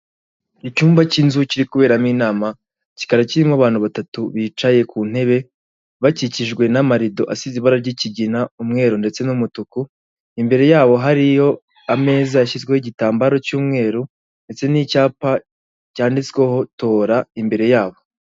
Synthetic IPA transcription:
icuːmvacinzuciɾikuβe̞ːɾamiːnaːma | ci̥kaɾeciɾimaβaːnhuβatatuβiːt͡ʃaje̞kuːn̥he̞βe̞ | βaciciʒɡwe̞namaɾido̞ʔasiziβaɾaɾɟiciɟinaumŋe̞ːɾunde̞t͡se̞numutuku | imbe̞ɾe̞jaːβo̞ɦaɾijo̞ | ame̞ːzaːʃizɡwehiɟitaːmbaɾo̞cuːmŋe̞ːɾu | nde̞t͡se̞nicaːpa | caːndit͡skweho̞to̞ːɾaimbe̞ɾe̞jaːβo̞

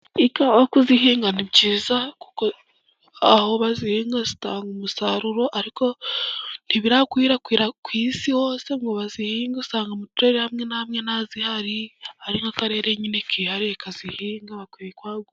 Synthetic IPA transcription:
ikaβakuziɦiːŋɡanibɟiːzaku̥ko | aho̞βazihiːŋɡazi̥taːŋɡumusaɾuɾo̞ʔaɾiko̞ | n̥hiβiɾakwiːɾakwiːɾakwiːsiho̞ːse̞ŋɡo̞βazihiːŋɡuusaːŋɡomutuɾeɾehamŋe̞nahamŋe̞nazihaɾihaɾiŋɡakaɾe̞ːɾeɲinekʰihaɾiakazihiːŋɡaβakwiɾikwaːɡo

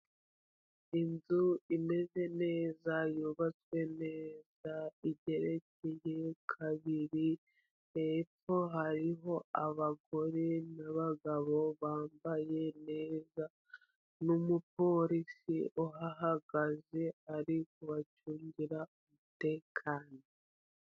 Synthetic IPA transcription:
inzuime̞ze̞ne̞ːzajuβat͡swe̞ne̞ːz̥aiɟe̞ɾe̞ce̞je̞kʰaβiɾi | ep͡fo̞ɦaɾiɦo̞aβaɡo̞ɾe̞naβaɡaβo̞βaːmbaje̞ne̞ːza | numupo̞ɾisioɦaɦaɡ̥aze̞aɾikuβacuːɲɟiɾaumute̞ːkʰaːno

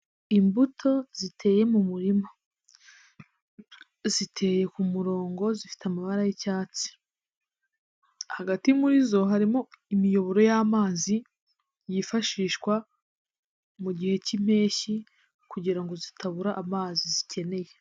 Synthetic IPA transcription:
imbutʰo̞zitʰe̞ːje̞mumuɾimo | zitʰe̞ːje̞kumuɾo̞ːŋɡo̞zifi̥teamaβaɾajicaːt͡si̥ | haɡatiumuɾizo̞ɦaɾimo̞imijo̞βo̞ɾo̞jaːmaːzi | jifaʃiːʃkwa | muɟihe̞cim̥e̞ːçi | kuɟiɾaŋɡo̞zitʰaβuɾaʔːmaːzizicʰe̞ne̞je̞

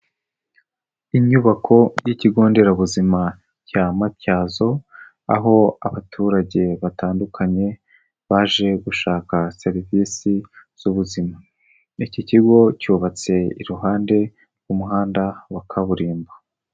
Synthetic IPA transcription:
iɲuβakʰo̞jiciɡo̞ːnde̞ɾaβuzima | camatcaːzo̞ | a̰ɦo̞a̰βatʰuːɾaɟe̞βataːndukʰaɲe̞ | βaʒe̞ɡuʃaːkase̞ɾiviːsiz̥uβuzima | iciciɡo̞cuːβat͡se̞ḭɾuɦaːnde̞ | ɾwumuɦaːndawakʰaβuɾiːmba

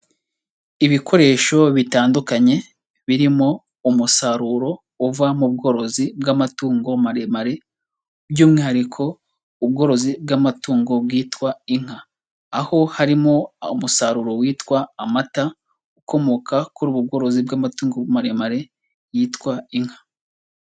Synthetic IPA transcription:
iβikʰo̞ɾe̞ːʃo̞βitaːndukaɲe̞ | βiɾimo̞ | umusaɾuːɾo̞ | uvamub̚ɡo̞ːɾo̞zibɡamatuːŋɡo̞maɾemaɾe̞ | bjuːmŋihaɾikʰo̞ | uβ̚ɡo̞ɾo̞zibɡamatuːŋɡo̞bɡiːtwaiŋ̥aː | ho̞haɾimo̞umusaɾuːɾo̞wiːtwaːmata | uko̞mo̞kakuɾuβubɡo̞ːɾo̞zibɡamatuːŋɡomaɾemaɾe̞ | jiːtwaiŋhḁ

